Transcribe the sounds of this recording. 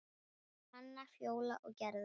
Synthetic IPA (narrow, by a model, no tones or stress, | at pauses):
hanːafjoːwla̰ʔɔɣcɛɾð